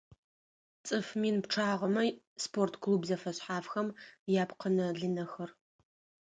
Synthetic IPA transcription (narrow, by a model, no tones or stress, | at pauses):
t͡sʼɨfmiːnpʈ͡ʂʰaːʁɐmɐ | spʰortʰkʰluːbzɐfɐɕħaːfxɐmjaːpqənɐɮɨnɐxɐr